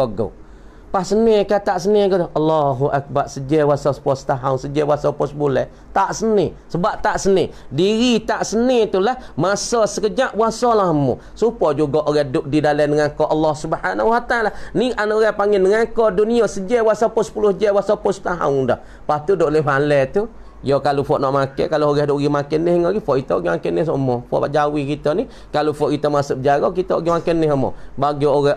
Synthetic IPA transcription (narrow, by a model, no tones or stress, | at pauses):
ɔɡo̰ | pahsənekat̪aʔsənɪɡɔʔɑlːɔɦuʔak̚barsəd͡ʒɛwasasə̥puost̪aɦauŋsəd͡ʒɛwasɔpɔsbulɛ̰h | t̪aʔsənɪ | səbaʔt̪aʔsənediɣit̪aʔsənɪt̪ulahmasɔsəkəd͡ʒaʔbuasɔlahmṵ | supɔd͡ʒuɡɔʔoɣɛdʊʔ̚didalənəŋakɔʔɑlːɔhsubħanawat̪alanianaʔoɣɛhpaŋɛnəŋakɔduniɔsəd͡ʒɛbwasapʊsə̥pulʊsd͡ʒɛbwasapʊst̪aɦa̰uŋdɔ̰h | paht̪udoʔləmalɛt̪u | jɔkalofɔʔnɔʔmakɛ̰kalooɣɛhdoʔɡimakɛnːɪhŋɔɡifɔʔkit̪ɔoɡimakɛnɪhsomɔfɔ̰ʔba̰ʔd͡ʒawikit̪ɔni | kalofɔʔkit̪ɔmasuʔbəd͡ʒaɣɔkit̪ɔoɡimakɛnːɪɦəmɔ̰baɡioɣɛ